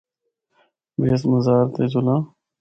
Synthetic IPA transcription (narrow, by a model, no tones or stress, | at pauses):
beːsməzaːɾt̪ed͡ʒʊlãː